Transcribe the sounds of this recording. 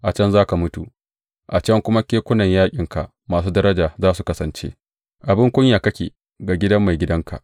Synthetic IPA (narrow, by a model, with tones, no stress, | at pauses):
ʔa˨t͡ʃɐ˦nzaː˦ka˨mʊ˦tu˨ | ʔa˨t͡ʃɐ˦ŋkʷʊ˦ma˦kʲeː˦kʷʊ˦nɐ˨ɲjaː˦kʲʼɪ˨ŋka˨ʔ | maː˨s̬uː˦dɐ˦ɾɐ˦d͡ʒaː˨zaː˦su˨kɐ˦sɐ˨nt͡ʃḛ˦ | ʔa˨bɪ˦ŋkʷʊ˦ɲjaː˨kɐ˦kʲḛː˨ | ɡaː˨ɡʲɪ˦dɐ˦mːa˨jɡʲɪ˦dɐ˦ŋkʰa̰˨ʔ